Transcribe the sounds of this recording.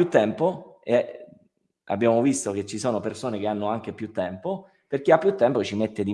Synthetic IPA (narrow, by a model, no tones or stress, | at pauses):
jut̪ːɛmpoe | a̰bːjaːmovist̪ok̟et͡ʃːisoːnopersoːnek̟eanːoaŋk̟epjut̪ːɛmpo | perk̟eapːjut̪ːɛmpot͡ʃimet̪ːed̪i